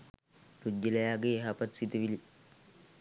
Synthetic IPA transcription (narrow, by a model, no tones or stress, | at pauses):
ɾud͡ʒːilɐjaɡeːɦapɐt̪sit̪uʋili